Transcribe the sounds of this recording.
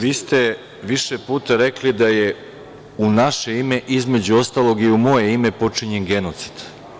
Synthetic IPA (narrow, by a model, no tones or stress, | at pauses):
ʋiːst̪e̞ | ʋiʃepuːt̪aɾeklid̪aje | unaʃe̞ime̞ʔizme̞d͡ʑuo̞st̪aːlˠo̞ɡiumo̞je̞ime̞po̞t͡ʂiɲenɡe̞no̞t̪si̥d̪̥